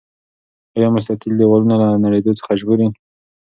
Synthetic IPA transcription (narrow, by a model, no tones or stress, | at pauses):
ɑjɑmʊs̬t̪akɪld̪ewɑlunalanaɽed̪ot͡sə̥xaʒɡuɾi